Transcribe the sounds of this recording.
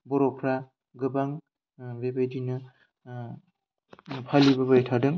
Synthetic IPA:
bɔɾɔk̚pʰɾa | ɡɯbaŋ | bebajdinɯ | pʰalibabajtʰadɯŋ

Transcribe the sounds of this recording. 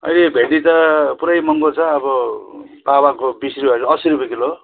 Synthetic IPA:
ʌ̰jlebʱed̪it̪ʌpuɾʌjmʌŋɡot͡sʰʌːbʌ | pawakobisriaɾʌʌsiɾibekilo

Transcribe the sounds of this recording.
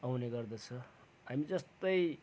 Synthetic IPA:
awneɡʌrd̪ʌt͡sʰʌ | ɦamid͡zʌst̪ʌj

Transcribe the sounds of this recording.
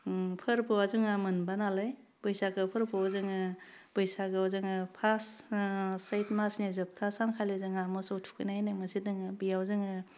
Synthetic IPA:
pʰɯɾpɯwazuŋamɯnbanalaj | b̥ɯjsaɡɯpʰɯɾpɯɔzɯŋɯ | b̥ɯjsaɡɯɔzɯŋɯpʰas | sajtmasnizɯp̚tʰasaŋkʰalezɯŋamɔsowtʰu̥kʰɯnajnamɯsidɯŋɯbijawzɯŋɯ

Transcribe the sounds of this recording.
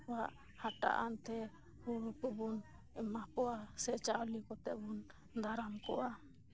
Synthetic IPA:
waʔ | haʈa̰ʔa̰nt̪ɛ | huɾukubɔn | ɛmakɔʔasɛt͡ʃawlikɔt̪ɛbɔn | d̪ʱaɾamkɔʔa

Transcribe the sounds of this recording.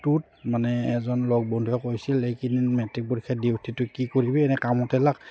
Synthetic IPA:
tut̚ | manɛːzɔnlɔɡ̚bɔndʱujɔkojsilːekinnmɛtɹik̚bɔɹikʰadiwtʰitʊkikoɹibɛɛnɛkamɔtɛlak

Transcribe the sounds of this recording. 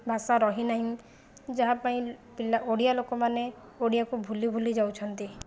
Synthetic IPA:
bʱasaɾɔɦinaɦĩ | d͡ʒaɦapaĩpilaoɽijalokɔmane | oɽijakubʱulibʱulid͡ʒawt͡ʃʰɔnt̪i

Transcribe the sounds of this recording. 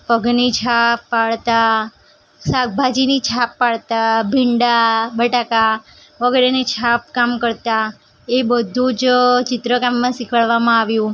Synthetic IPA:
pəɡnit͡ʃʰapːaɭt̪a | sak̚bʱad͡ʒinit͡ʃʰapːaɭt̪abʱiɳɖabəʈaka | ʋəɡɛɾenit͡ʃʰapkamkəɾt̪a | ebəd̪ʱũd͡ʒt͡ʃɪt̪ɾəkamːãsikʰəɭʋamãaʋjũ

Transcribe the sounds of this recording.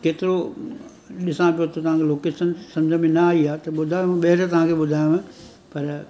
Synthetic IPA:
keːt̪ɪɾo | ɗɪsãpijot̪ot̪ɐʋ̤ãːkʰeloːkeːsənsɐ̃md͡ʑʱəmẽnɐaːiaːt̪ɐɓʊd̪ʱaːjõẽɓɐɦɪɾt̪ɐʋ̤ãːkʰeɓʊd̪ʱaːjũʋẽ | pɐɾ

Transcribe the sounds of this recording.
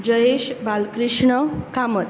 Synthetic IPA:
d͡ʑʌjeʃbalkɾiʂɳʌkamət̪

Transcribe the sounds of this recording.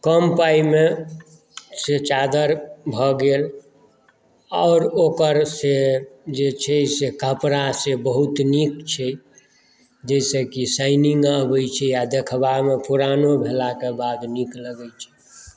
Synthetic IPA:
kəmpaime | set͡ʃad̪əɾbʱɔɡel | aʊɾokəɾsed͡ʒet͡ʃʰɛsekəpɾasebəɦut̪nikt͡ʃʰɛ | d͡ʒəɪsekisaɪniŋɡəbəjt͡ʃʰɛjad̪ekʰbamepuɾanobʱelakebad̪nikləɡəjt͡ʃʰɛ̥

